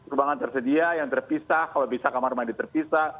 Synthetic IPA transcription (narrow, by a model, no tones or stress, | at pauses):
ubaŋant̪ərsədiajaŋt̪ərpisahkalabisakamarmadit̪ərpisah